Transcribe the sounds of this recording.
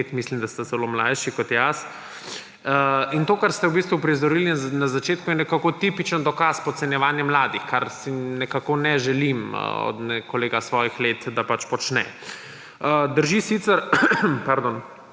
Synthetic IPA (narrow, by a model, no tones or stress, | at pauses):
t̪mislimd̪ast̪azɛlomlajʃikɔt̪jas | əint̪oːkaɾst̪ɛubist̪ʋupɾizɔɾilinazat͡ʃeːt̪̚kujɛnɛkakot̪ipit͡ʃənd̪ɔkaspɔsɛnjɛʋaːnjɛmlaːd̪ixkaɾsinɛkakonɛʒɛlim̰ɔ̰d̪nɛkoleːɡasʋɔːjixleːt̪d̪apat͡ʃpɔt͡ʃnɛ̰ | əd̪əɾʒisit̪səɾpaɾd̪oːn